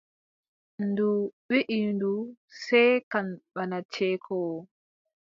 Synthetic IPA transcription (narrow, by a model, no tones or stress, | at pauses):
nduwiʔindusɛjkanɓanat͡ʃɛːkʰɔwɔ